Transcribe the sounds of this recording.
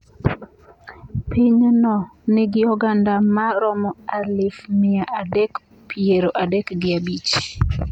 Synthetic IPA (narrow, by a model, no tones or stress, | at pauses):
pʰiɲnɔnɪɡɪɔɡandamaɾɔmɔalɪfmɪaʔadɛk | pʰieɾoʔadɛkɡɪabit͡ʃ